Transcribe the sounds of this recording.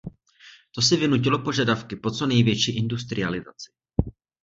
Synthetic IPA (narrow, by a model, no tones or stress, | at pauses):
t̪o̞sɪvɪnuc̬ɪlo̞po̞ʒadafkɪpo̞t͡so̞nɛjvjɛt͡ʃiːʔɪndust̪ɾɪ̰alɪza̰t͡sɪ̥